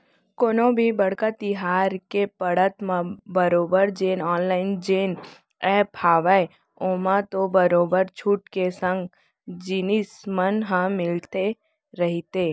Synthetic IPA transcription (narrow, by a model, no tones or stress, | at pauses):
koːnõbʱibəɽkat̪ɪɦaːɾkepəɽət̪mãbəɾoːbəɾd͡ʒeːnɔːnlaːɪnd͡ʒeːn | ɛpʰaːʋae | oːmãt̪obəɾoːbəɾt͡ʃʰuʈkesə̃ŋɡ | d͡ʒinismənɦə̃mɪlt̪e | ɾəɦit̪eː